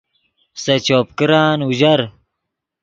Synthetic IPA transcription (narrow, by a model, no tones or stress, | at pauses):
sɐt͡ɕoːp̚kiɾaːnuʑɐɾ